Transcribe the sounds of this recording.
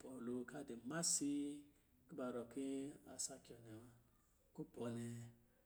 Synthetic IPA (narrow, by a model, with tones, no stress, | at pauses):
pɔ˨lu˧ka˦de˨ma˦si˦ | ki˦ba˧˨ɾɔ˨ki˦a̰˧sa˧ki˨˦ɔ˨nɛ˨ma˧ | ku˦pɔ˨˧nɛ˧